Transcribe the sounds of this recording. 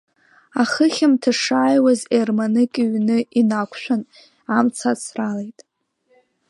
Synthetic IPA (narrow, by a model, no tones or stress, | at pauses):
aχəχʲɪmtʰaʂaːjwazermanɨkʲʼiɥnɨinakʷʰʃʷᶣan | amt͡sʰat͡sʰralejtʼ